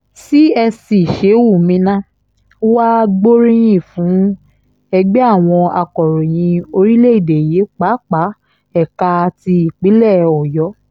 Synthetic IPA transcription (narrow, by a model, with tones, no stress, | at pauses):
ti˦ɛ˧si˨ʃe˨˦wu˦˨mĩ˧nã˦ | wa˦ɡ͡bo˦ɾĩ˦j̃ĩ˦˨fũː˨˦ | ɛ˧ɡ͡be˦a˦˨w̃ɔ̃˧a˧kɔ˨ɾɔ̃˨j̃ĩ˧o˧ɾi˦le˦i˦˨de˨je˨˦k͡pa˨˦k͡pa˨˦ | ɛ˦˨ka˧ti˧i˨k͡pi˨˦lɛ˦˨ɔ˨jɔ˨˦